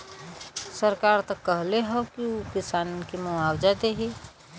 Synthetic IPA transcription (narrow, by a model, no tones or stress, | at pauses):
səɾkaːɾt̪ɐkːəɦleɦɛ̃kiokɪsaːnkimoawd͡ʒad̪eɦi